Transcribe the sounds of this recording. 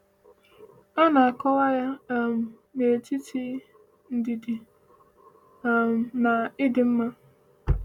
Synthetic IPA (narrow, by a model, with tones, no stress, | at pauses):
a˦na˨a˨kɔ˦wa˦ja˦m̩˨ | ne˨ti˦ti˦ | n̩˦di˨di˨˦ | m̩˨na˨ɪ˦dɪ˨m̩˦ma˦